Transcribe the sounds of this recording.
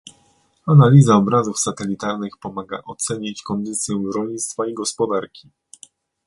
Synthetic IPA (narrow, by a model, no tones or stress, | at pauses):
analʲizaɔbɾazufsat̪ɛlʲit̪aɾnɘxpɔmaɡa̰ʔɔt̪sɛɲit͡ɕkɔnd̪ɘt̪sʲjɛɾɔlɲit̪st̪faiɡɔspɔd̪aɾkʲi